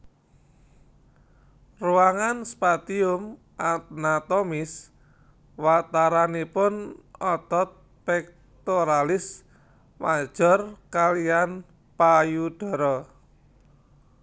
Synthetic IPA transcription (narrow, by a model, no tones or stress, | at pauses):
ruaŋanspat̪iʊm | ʔat̪̚nat̪ɔmɪs | wat̪aɾanipʊnɔt̪ɔt̪̚ | pɛk̚ | t̪oɾalɪs | mad̥ʒ̥ɔ̤rkalian | pajud̥ɔ̤ɾɔ